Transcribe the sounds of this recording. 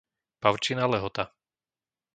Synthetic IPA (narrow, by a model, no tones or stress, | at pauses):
paʊt͡ʃinalɛɦɔt̪a